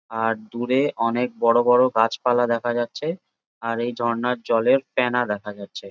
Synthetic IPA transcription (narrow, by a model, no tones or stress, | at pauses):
aɾd̪uɾeʔɔnek̚bɔɽobɔɽoɡat͡ɕpalad̪ɛkʰad͡ʑatːɕʰe | aɾejd̪ʱɔɾnaɾd͡ʑɔleɾpɛnad̪ɛkʰad͡ʑatːɕʰe